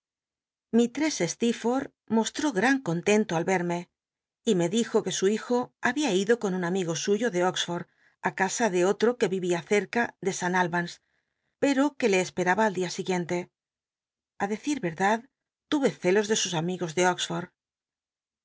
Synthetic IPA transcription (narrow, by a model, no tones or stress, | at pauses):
mit̪ɾe̞se̞st̪ifo̞ɾ | mo̞st̪ɾo̞ɣɾaŋko̞nt̪e̞nt̪oalβe̞ɾme̞ | ime̞ðixo̞ke̞suixo̞aβiaiðo̞ko̞nunamiɣo̞suʝo̞ðe̞oksfo̞ɾ | akasaðe̞o̞t̪ɾo̞ke̞βiβiaθe̞ɾkaðe̞sanalβans | pe̞ɾo̞ke̞le̞ːspe̞ɾaβaːld̪iasiɣje̞nt̪e̞ | aðe̞θiɾβe̞ɾðað | t̪uβe̞θe̞lo̞zðe̞susamiɣo̞zðe̞oksfoɾð